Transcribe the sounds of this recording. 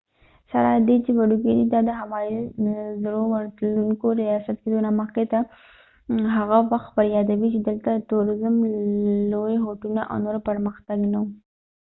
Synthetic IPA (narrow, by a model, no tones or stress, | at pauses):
saɾɑd̪et͡ʃewaɖuɡed̪id̪ɑd̪əɦamɑjizɾowəɾt̪luŋkoɾijɑsat̪̚ked̪onɑməqet̪a | ɦaɣawaxt̪̚bəɾjɑd̪awit͡ʃed̪əlt̪at̪uɾɪzəmlojeɦoʈunaʔa̰wnoɾpəɾməxt̪aɡnau